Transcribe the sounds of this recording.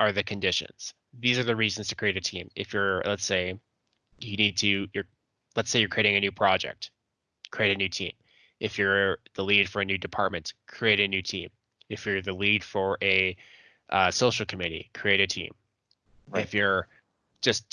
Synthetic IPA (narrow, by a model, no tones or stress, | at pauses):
ʔə˞ðɨkʰɨ̃ndɪʃɨ̰̃nz̥ | ðizə˞ðɨɹizn̩z̥tʰɨkʰɹ̥ieɪɾɨtʰĩmɪ̰fjə˞lətseɪ | jɨnid̚tʰɨjə˞ | lətseɪjə˞kʰɹ̥ieɪɪ̃ŋɨnʉpʰɹ̥ɑd͡ʒɛ̰k̚t̚ | kʰɹ̥ieɪɾɨnʉtʰḭ̃m | ʔɨfjə˞ðəlid̥fə˞ɨnʉdɨpʰɑɹt̚mɨ̃ntkʰɹ̥ieɪɾɨnʉtʰḭ̃m | ɨfjə˞ðɨlid̥fə˞ʔɨ | ʔʌsoʊʃl̩ˠkʰəmjʉɾḭkʰɹ̥ieɪɾɨtʰḭ̃m | ɪfjə˞ | d̥ʒ̥ʌst̚